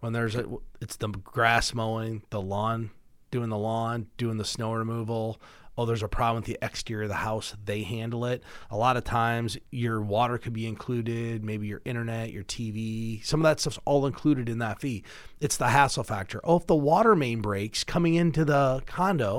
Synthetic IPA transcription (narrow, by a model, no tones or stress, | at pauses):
wə̃nðə˞zɨtsðəɡ̥ɹæsmoʊɪ̃ŋðəlɔ̃n | d̥ʉɪ̃ŋðəlɔ̃nd̥ʉɪ̃ŋðɨsnoʊɹɨmuvl̩ˠ | oʊðə˞zəpʰɹ̥ɑblə̃mθiʔɛkstɪɹʌðəhaʊsðeɪhæ̃ndˡl̩ˠɪt̚əlɑɾʌv̥tʰãɪ̃mzjə˞wɔɾə˞kʰɨd̚biɨ̃nkʰl̥ʉɾɪd̚meɪbijə˞ʔɪ̃ɾ̃ə˞nɛt͡ʃə̰˞tʰivisʌ̃mʌvðətstʌfsɔlˠə̃nkʰl̥ʉɾɨɾɨ̃nðətfi | ɨtsðəɦæsl̩ˠfæk̚tʰə̰˞ʔoʊəfðəwɔɾə˞mẽɪ̃nbɹeɪkskʰʌ̃mɪ̃ŋɪ̃ntʉðəkʰɑ̃ndoʊ